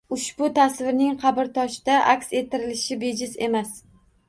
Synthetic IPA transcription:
ʊʃbʊt̪ʰasvɪɾnɪŋqʰɑbɪɾt̪ʰɒʃɪd̪aʔakʲse̞t̪ʰːɪɾɪlɪʃɪbe̞d͡ʒɪze̞mas

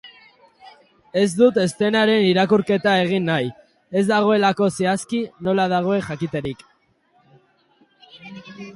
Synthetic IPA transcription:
e̞zd̪ut̪e̞st̪e̞naɾe̞niɾakuɾke̞t̪ae̞ɣ̞inːaj | e̞zd̪aɣ̞o̞e̞lako̞seaskino̞lað̞aɣ̞o̞e̞ʝakit̪e̞ɾik

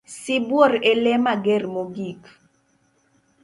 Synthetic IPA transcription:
sibwɔɾɛlɛmaɡɛɾmoɡik

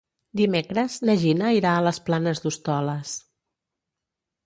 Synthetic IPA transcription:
d̪imekɾəznəʒinəiɾaələsplanəzd̪ust̪ɔləs

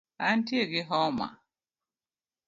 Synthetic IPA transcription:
antjeɡɪɦɔma̰

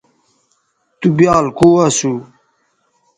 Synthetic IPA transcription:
t̪ubjaːlkowasu

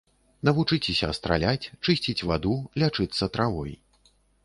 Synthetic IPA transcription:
nɐvut͡ʂɨt͡sʲɪsʲɐɐst̪ɾa̰lʲat͡sʲt͡ʂɨsʲt͡sʲit͡sʲvad̪ulʲat͡ʂɨt̪sːɐt̪ɾavɔj

